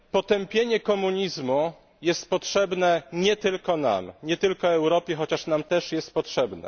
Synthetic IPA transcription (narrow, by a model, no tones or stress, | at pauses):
pɔt̪ɛmpʲjeɲɛkɔmuɲizmu | jɛst̪̚pɔtʂɛbnɛɲɛt̪ɘlkɔna̰mɲɛt̪ɘlkɔɛwɾɔpʲjɛxɔt͡ɕaʂnamt̪ɛʂjɛst̪̚pɔtʂɛbnɛ̰